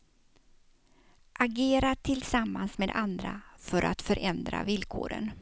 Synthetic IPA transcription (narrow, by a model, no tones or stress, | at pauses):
ʔaɡeːɾaʈʰɪlsamːansmeːd̪ʔand̪ɾa̰fœɾʔa̰t̪fœɾʔɛnd̪ɾa̰vɪlkʰo̰ːɾə̰n